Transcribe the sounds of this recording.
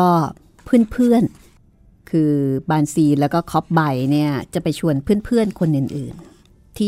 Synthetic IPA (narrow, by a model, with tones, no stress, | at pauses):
ɔː˥˩ | pʰɯː˥˩npʰɯ˥˩ən | kʰɯː˧baː˧nsiː˧˩lɛː˦˥wkɔː˥˩kʰɔ˦˥p̚ba˧jni˥˩ɐt͡ɕa˨˩pa˧jt͡ɕʰu˧ənpʰɯː˥˩ənpʰɯ˥˩ənkʰo˧nʔɯ˨˩nʔɯː˨˩n | t̪ʰiː˥˩